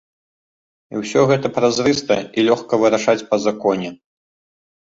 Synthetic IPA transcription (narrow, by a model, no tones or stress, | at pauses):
iwsʲɔɣɛt̪ɐpɾazɾɨst̪ɐilʲɔxkɐvɨɾaʂat͡sʲpɐzakɔnʲɛ